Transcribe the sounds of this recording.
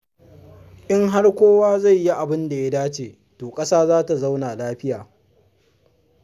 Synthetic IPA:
ʔɪ˦ŋɦa˦rkʷoː˦waː˦za˦˨jːi˦ʔa˨bɪ˦nda˨ja˦daː˦t͡ʃeː˨ | toː˨kʼɐ˦saː˦zaː˦ta˨za˦wnaː˨laː˦ɸɪ˦jaː˨

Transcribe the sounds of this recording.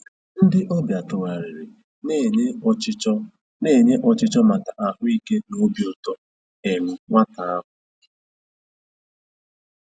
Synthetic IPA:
n̩˦dɪ˦ʔɔ˦bja˨tʊ˨ɣa˨ɾe˨ɾe˨ | ne˦˨˦ | ne˦˨ɲe˦ʔɔ˨t͡ʃɪ˦t͡ʃɔ˦ma˨ta˨ʔa˨ɦʊ˦i˦ke˦no˦bjʊ˨tɔ˨ | e˨nʊ˨ŋa˦ta˨a˦ɦʊ˨

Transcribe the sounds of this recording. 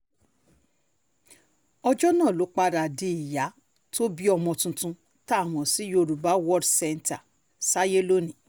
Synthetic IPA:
ɔ˧d͡ʒɔ˦nãː˦˨lo˨˦k͡pa˧ɾa˨di˨˦i˨ja˨˦ | tʰo˦bi˦ɔ˧mɔ̃˧tũ˧tũ˧ | ta˦˨w̃ɔ̃˨si˨˦jo˧ɾu˨ba˨˦wɔ˦˨dsɛ˧nta˨ | sa˦je˦lo˦nĩ˨

